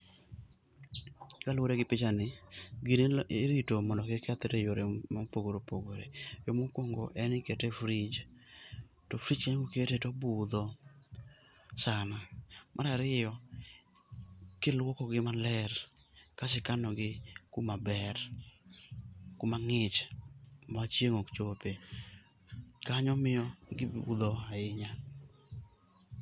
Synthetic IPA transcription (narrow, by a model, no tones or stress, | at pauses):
kalwoɾeɡɪpɪt͡ʃanɪɡineeɾitomɔndɔkekat̪etejoɾemapoɡoɾopoɡoɾejomokwoŋɡo̰ʔɛnɪketefɾid͡ʒ | tɔfɾid͡ʒkaɲɡoketetɔbʊd̪ɔ | sanamʔaɾaɾɪjɔ | kɪlwɔkɔɡɪmalɛr | kasɪkanɔɡɪkumabɛr | kumaŋɪt͡ʃ | mat͡ʃjeŋokt͡ʃope | kaɲɔmɪjɔɡɪud̪ɔaɪɲa